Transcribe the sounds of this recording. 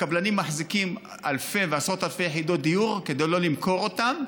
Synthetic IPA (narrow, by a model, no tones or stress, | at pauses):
kablanimːaħzikim | a̰lfe̞veasʁot̪alfejeħid̪o̞t̚d̪ijuʁke̞d̪ejlo̞limko̞ʁo̞t̪am